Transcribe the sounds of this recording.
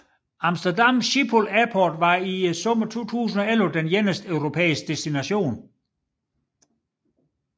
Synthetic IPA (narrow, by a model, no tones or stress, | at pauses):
ɑ̈msd̥ɐdɑmɕipʰolæɐpʰɒːd̥ʋɑ̈isɔ̽mɐt͡sʰo̝̰ːt͡sʰṵːs̬n̩ɒ̽elʋəd̥enjenəsd̥øʊʁo̝pʰḛːisɡ̥̚d̥esd̥inæɕo̝̰ːn